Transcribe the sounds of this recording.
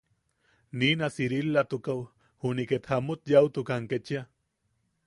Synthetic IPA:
niːnasiɾilːat̪ukaw | huniket̪hamut̪jawt̪ukaŋket͡ʃia

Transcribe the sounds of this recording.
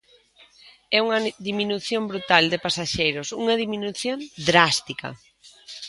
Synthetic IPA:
ɛuŋɐðiminuθjombɾut̪ald̪ɪpasaʃejɾʊsuŋɐðiminuθjond̪ɾast̪ikɐ̰

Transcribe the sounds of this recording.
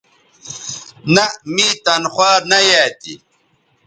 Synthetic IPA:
nɐmit̪ɐnxwaːnɐjaːt̪ḭ

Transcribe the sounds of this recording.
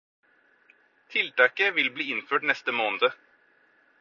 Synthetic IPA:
t̪ʰɪlt̪ɑːkəʋɪlbliːɪnføːʈnɛst̪əmoːnəd̪ə

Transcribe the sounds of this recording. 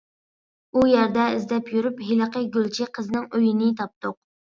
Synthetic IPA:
ujæɾd̪ɛɪzd̪ɛpjyɾypɦiləqəɡʲølt͡ʃʰiqʰəzɨnɪŋøjinɪt̪ʰɑp̚t̪ʊq̚

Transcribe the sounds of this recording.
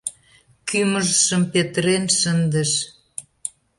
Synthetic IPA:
kyməʒʃəmpet̪əɾenʃənd̪əʃ

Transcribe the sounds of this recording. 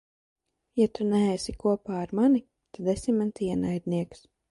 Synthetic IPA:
jat̪unɛɛːsikuɔpaːaɾmani | t̪ad̪esimant̪iɛnajd̪̚niɛks

